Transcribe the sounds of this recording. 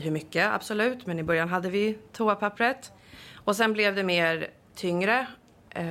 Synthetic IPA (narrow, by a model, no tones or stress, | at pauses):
ɦɵɾmʏkːəa̰b̥sɔlʉ̟ːt̪mɛnɪbœɾjanɦad̪ːəvɪt̪ʰuːapʰapːɾət̪ | ɔsɛnblɛvd̪ɛmeːɾ | t̪ʰʏŋɾə